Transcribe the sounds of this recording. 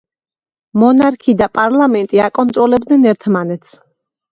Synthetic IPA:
mɔnaɾkʰid̪apʼaɾlamɛnt̪ʼiakʼɔnt̪ʼɾɔlɛbd̪nɛnɛɾt̪ʰmanɛt̪sʰ

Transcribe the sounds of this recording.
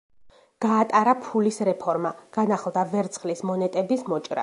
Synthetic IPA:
ɡ̥aːt̪ʼaɾapʰulisɾɛpʰɔɾmaɡ̥anaχlˠd̪avɛɾt̪sʰχlismɔnɛt̪ʼɛbismɔt͡ʃʼɾa̰

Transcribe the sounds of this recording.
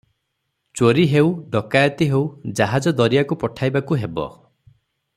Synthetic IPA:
t͡ʃoɾiɦewɖɔkajɔt̪iɦewd͡ʒaɦad͡ʒɔd̪ɔɾijakupɔʈʰajbakuɦebɔ̰

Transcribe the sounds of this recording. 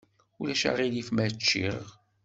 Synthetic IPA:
ulæʃa̰ʁilifmæt͡ʃːḭɾ̰ʁ

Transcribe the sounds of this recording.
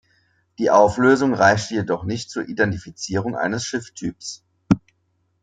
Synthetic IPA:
d̥iːʔaʊfløːzʊŋʁaɪçtəjedɔχnɪçtt͡suːɐʔidɛntifit͡siːʁ̞ʊŋʔa̰ɪnəsʃɪftʰyːps

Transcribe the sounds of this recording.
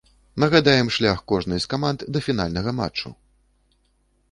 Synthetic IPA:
nɐɣad̪ajɛmʂlʲaxkɔʐnɨskamand̪d̪ɐfʲin̪a̰lʲnɐɣɐma̰t͡ʂːṵ

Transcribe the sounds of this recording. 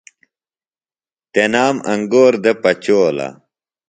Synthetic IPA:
t̪enaːmɐŋɡoːɾd̪epɐt͡ɕoːla̰

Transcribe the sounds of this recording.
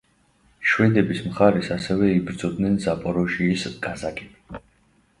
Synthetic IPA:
ʃwɛd̪ɛbismχaɾɛsasɛvɛibɾd̪zɔd̪nɛnzapʼɔɾɔʃiːsɡʼazakʼɛbi

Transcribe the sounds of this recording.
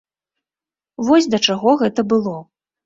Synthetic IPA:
vɔsʲd̪ɐt͡ʂaɣɔɣɛt̪ɐbɨlˠɔ

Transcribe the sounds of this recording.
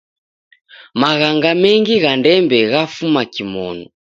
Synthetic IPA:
maɣaŋɡamɛŋɡiɣandɛmbɛɣafumakimɔ̰nu

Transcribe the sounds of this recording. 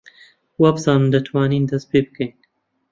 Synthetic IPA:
wabsaːmd̪ɐt̪ʰwaːniːnd̪ɐst̪̚peːbəkʰɐjn

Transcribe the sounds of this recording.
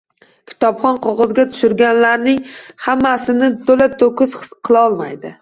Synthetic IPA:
kʲʰɪ̥t̪ʰɒpχɒnqʰoʁɒzɡʲat̪ʰʊ̥ʃʊɾɡʲanlaɾnɪŋhamːasɪnɪt̪ʰolat̪ʰokʰʲʊzɨqʰɨlˠaɒlˠma̰jd̪ɪ

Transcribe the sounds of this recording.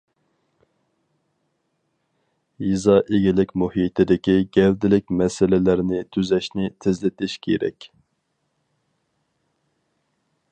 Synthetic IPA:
jizɑʔeɡʲilɪkʲmuhit̪ʰɪd̪ɪkʲiɡʲɛld̪ɪlɪkʲmɛsɪlɪlæɾnɪt̪ʰyzɛʃnɪt̪ʰɪzlɪt̪ʰɪʃkʲʰḛɾɛ̰kʲ

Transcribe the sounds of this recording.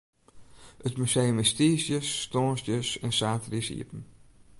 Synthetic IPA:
ətmysejmɛstiːsjəsːtɔːnsəsɛnsaːtrisḭəpən̩

